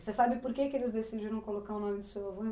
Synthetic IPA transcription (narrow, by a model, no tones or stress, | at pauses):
sesabɪpoɾkekɪelɪzd̪esid͡ʒiɾɐ̃w̃kolokaɾʊnõmɪd̪ʊsewavõ